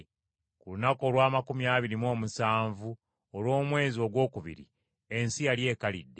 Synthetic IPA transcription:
kulunako̞lwaːmakumjaːβiɾimwo̞ːmusaːɱvu | olwo̞ːmwe̞ːzio̞ɡwo̞ːkuβḭɾḭ | e̞nsijalje̞ːkalḭdːe̞

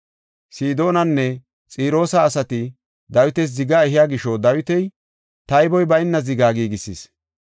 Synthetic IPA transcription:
siːd̪o̞ːnɐnːɛ | t͡sʼiːɾo̞ːsɐːsɐt̪ɪ | d̪ɐwɪt̪ɛs̬zɪɡaːɛɦɪjaːɡɪʃod̪ɐwɪt̪ɛj | t̪ɐjbɔjbɐjnːɐzɪɡaːɡiːɡɪsḭːs

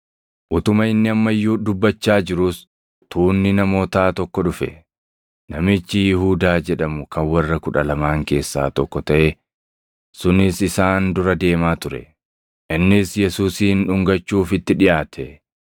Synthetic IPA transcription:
ʔʊt̪ʊmɐɪnːɪɐmːɐjːuːd̪ʊbːɐt͡ʃːaːd͡ʒɪɾʊs | t̪ʰuːnːɪnɐmo̞ːt̪aːt̪ɔkːɔᶑʊfɛ̰ | nɐmɪt͡ʃːɪjɪɦuːd̪aːd͡ʒɛᶑɐmʊkɐnwɐrːɐkʊᶑɐlɐmaːŋke̞ːsːa̰ːt̪ɔkːɔt̪ɐʔe | sʊnɪsɪsaːnd̪ʊɾɐd̪e̞ːmaːt̪ʊɾɛ̰ | ʔɪnːɪsjɛsuːsiːnᶑʊŋɡɐt͡ʃːuːfɪt̪ːɪᶑɪʔaːt̪ʰɛ

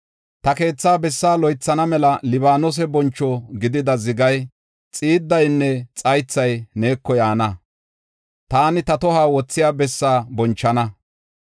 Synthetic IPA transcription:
t̪ɐke̞ːt͡sːaːbɛsːaːlɔjt͡sːɐnɐmɛlɐlɪβaːnɔs̬ɛbɔnt͡ʃːɔɡɪd̪ɪd̪ɐzɪɡɐj | t͡sʼiːd̪ːɐjnːɛt͡sʼɐjt͡sːɐjneːkːɔjaːnɐ | t̪aːnɪt̪ɐt̪ɔhaːwɔt͡sːɪjaːbɛsːaːbɔnt͡ʃːɐnɐ

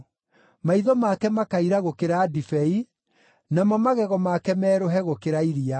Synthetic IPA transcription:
maiðɔmakɛmakaiɾaɣokeɾadifɛi | namamaɣɛɣɔmakɛmɛːɾoɦɛɣokeɾaiɾia

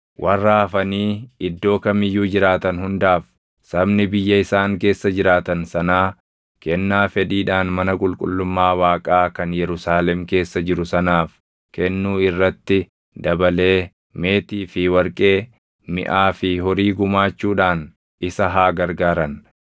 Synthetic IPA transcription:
wʔɐrːaːfɐniːɪd̪ːo̞ːkɐmɪjːuːd͡ʒɪɾaːt̪ɐnhʊnd̪aːf | sɐbnɪbɪjːɐɪsaːŋke̞ːsːɐd͡ʒɪɾaːt̪ɐnsɐnaː | kɛnːaːfɛd̪iːᶑaːnmɐnɐkʼʊlkʼʊlːʊmːaːwaːkʼaːkɐnjɛɾʊsaːlɛmke̞ːsːɐd͡ʒɪɾʊsɐnaːf | kɛnːuːɪrːɐt̪ːɪ | d̪ɐbɐle̞ː | me̞ːt̪iːfɪwɐɾkʼe̞ː | mɪ̰ʔaːfɪɦɔɾiːɡʊmaːt͡ʃːuːᶑaːn | ɪsɐɦaːɡɐɾɡaːɾɐn

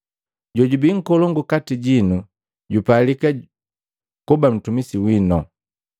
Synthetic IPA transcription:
ɟɔɟubiŋ̩kɔlɔŋɡukatiɟinu | ɟupalika | kubam̩tumisiwinɔ

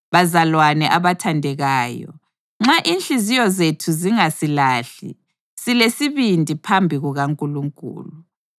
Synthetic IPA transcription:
βazalwanɛʔaβatʰandʱɛɣaːjɔ̰ | ŋ͡ǁaʔinɬizijɔzetʰuziŋasilaːɬḭ | silesiβindʱʼipʰambʱiɣuɣaŋkʼuluŋkʼṵːlu

